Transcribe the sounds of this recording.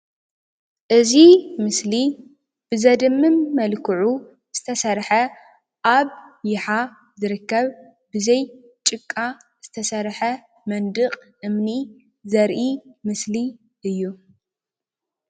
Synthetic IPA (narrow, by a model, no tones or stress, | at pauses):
ʔɨzimɨsli | b̥ɨzɐd̪ɨmːɨmːɐlkʰɨʕu | z̥ɨt̪ʰɐsɐɾħɐ | ʔaβjɪħa | zɨɾɨkːɐβ | bɨzɐj | t͡ʃʼɨkʼːa | z̥ɨt̪ʰɐsɐɾħɐ | mɐnd̪ɨqʼʔɨmni | zɐɾʔimɨsli | ʔɨjːu